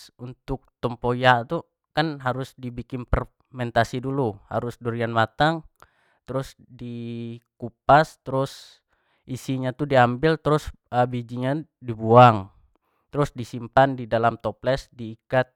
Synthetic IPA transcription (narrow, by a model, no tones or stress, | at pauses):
unt̪ʊk̚t̪ɔmpojat̪u | kanɦaɾʊsdibikɪnpər | mɛnt̪asiduluha̰ɾʊsduɾianmat̪aŋ | t̪ɾʊs | dikup̚ast̪əɾʊs | ʔisiɲat̪udiambɪlt̪ɾʊsəbid͡ʒiɲadibuaŋ | t̪ɾʊsdisimpandidalamt̪ɔplɛsdiːkat̪̚